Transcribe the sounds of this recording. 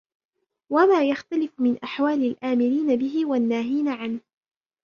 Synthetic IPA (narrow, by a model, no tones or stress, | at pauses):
wamaːjaxt̪alɪfmɪnʔaħwaːlalʔaːmɪɾiːnabɪɦɪwanːaːɦiːnaʕanh